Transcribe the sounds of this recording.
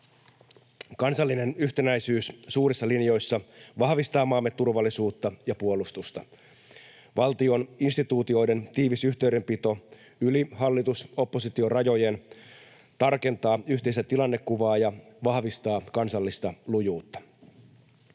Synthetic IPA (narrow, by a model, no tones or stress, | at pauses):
kɑnsɑlːine̞nyçt̪enæjsyːssuːɾisːɑlinjo̞jsːɑʋɑhʋist̪ɑːmɑːmːet̪ːurʋɑlːisuːt̪ːɑjɑpuo̞lust̪ust̪ɑ | ʋɑlt̪io̞ninst̪it̪uːt̪io̞jde̞nt̪iːʋisyht̪e̞ɥde̞mpit̪o̞ | yliɦɑlːit̪uso̞pːo̞sit̪io̞rɑjo̞je̞n | t̪ɑrke̞nt̪ɑːyçt̪e̞isæt̪ilɑnːe̞kːuʋɑːjɑʋɑhʋist̪ɑːkɑnsɑlːist̪ɑlujuːt̪ːɑ̥